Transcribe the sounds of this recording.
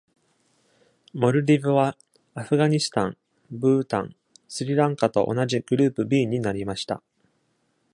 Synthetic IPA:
mo̞ɾɯ̟ɾʲibɯ̟βa | aɸɯ̟ɡaɲisɨ̥t̪ãŋ | bɯ̟ːt̪ã̰ŋ | sɨɾʲiɾãŋkat̪o̞̰ʔo̰naʑiɡ̥ɯ̟ɾɯ̟ːpɯ̟bʲiːɲ̟inaɾʲimaɕi̥t̪a̰

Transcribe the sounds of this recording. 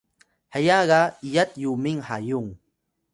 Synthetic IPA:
hajaɢajat̪jumɪŋhajʊŋ

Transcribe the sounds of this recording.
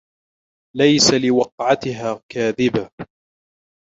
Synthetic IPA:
lajsalɪwɑqʕat̪ɪɦaːkaːðɪba

